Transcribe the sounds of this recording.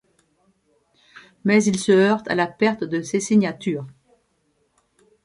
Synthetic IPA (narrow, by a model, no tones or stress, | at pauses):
mɛzilsəœʁt̪ʰa̰lapɛʁt̪d̪əsesiɲat̪yːʁ